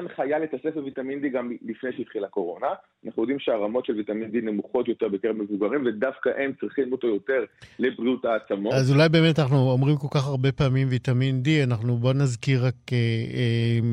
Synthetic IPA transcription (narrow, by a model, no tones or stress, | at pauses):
anχajalit̪asefbevitamind̪iɡamlifne̞jʃeit̪χilako̞ʁo̞na | anaχnujo̞d̪imʃeaʁamo̞tʃelvitamind̪ine̞muχo̞tjo̞te̞ʁbet̪kemevuɡaʁimve̞dafkaʔe̞mt͡sʁiχimmut̪ajo̞te̞ʁlebʁiutaːt͡samoazulajbe̞ːmetanaχnuomʁimko̞lkaχaʁbe̞paːmimvitamindianaχnubo̞nazkiʁakee